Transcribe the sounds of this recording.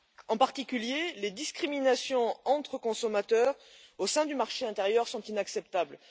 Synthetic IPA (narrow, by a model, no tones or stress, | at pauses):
ɑ̃paʁt̪ikʲyljeled̪iskχiminasjɔ̃ɑ̃t̪χəkɔ̃sɔmat̪œʁosɛ̃d̪ymaʁʃeɛ̃t̪eʁjœʁsɔ̃t̪inaksɛpt̪abl